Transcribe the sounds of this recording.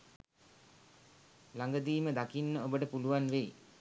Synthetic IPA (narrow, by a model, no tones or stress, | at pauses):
laŋɡəd̪iːməd̪akinːəobəʈəpuluʋanʋej